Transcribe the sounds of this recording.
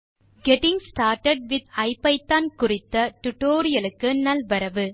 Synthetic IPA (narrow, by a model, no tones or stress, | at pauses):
ɡɛʈɪ̃ŋsʈaːɾʈɐɖ̚ʋɪd̪ɐɪpːɐɪt̪ːaːnkʊɾɪt̪ːɐʈʊʈoːɾɪjɐlɯkːɯnɐlbɐɾɐʋɯ